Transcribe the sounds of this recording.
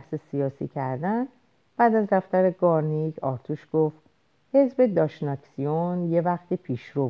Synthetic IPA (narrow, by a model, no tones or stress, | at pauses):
hsesijɒːsḭːcʰæɾd̪æn | b̥æːd̪æzd̪æft̪æɾeɡɒːɾniɟɒːɾt̪ʰuʃɡ̥oft̪̚ | he̞zbe̞d̪ɒːʃnɒksijonje̞væxt̪ipʰiːʃɾo